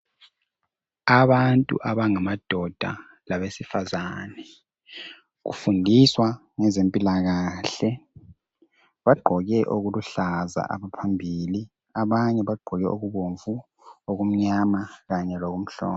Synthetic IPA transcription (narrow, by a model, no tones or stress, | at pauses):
aβantʼṵʔaβaŋamad̥ʱɔd̥ʱa̰ | laβesifazanɛ | ɣṵfundʱiswa | ŋɛzempʼilaɣaːɬɛ | βaɡ͡ǃʱɔɣɛʔoɣuluɬaza̰ʔa̰βapʰambʱili | aβaɲɛβaɡ͡ǃʱɔɣɛʔoɣuβoɱvu | oɣum̩ɲamaɣaɲɛloɣum̩ɬɔ̰ːnɔ